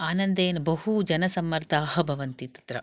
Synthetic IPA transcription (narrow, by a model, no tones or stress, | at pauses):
aːnɐnd̪eːnɐbɐɦud͡ʒɐnɐsɐmːɐɾt̪ʰaːɦɐ̆bʱɐʋɐnt̪it̪ɐ̥t̪ɾɐ̰